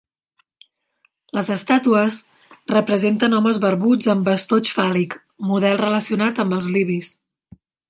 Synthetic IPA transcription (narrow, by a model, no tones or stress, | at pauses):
ləzəst̪at̪uəs | rəpɾəzent̪ənɔməzβəɾβud͡zəmbəst̪ot͡ʃfalik | muðɛlˠrələsiunat̪əmbəlˠzliβis